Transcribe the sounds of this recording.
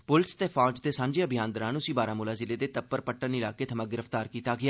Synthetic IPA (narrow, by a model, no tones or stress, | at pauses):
pʊlɪst̪eːpʰaːd͡ʒd̪eːsãːɲd͡ʒeəbʱɪjaːnd̪əɾãːnʊsĩːbaːɾaːmuːlaːzɪleːd̪eːt̪əpːəɾpəʈːənɪlaːkeːt̪ʰəmãːɡɪɾəft̪aːɾkiːt̪aːɡɪaː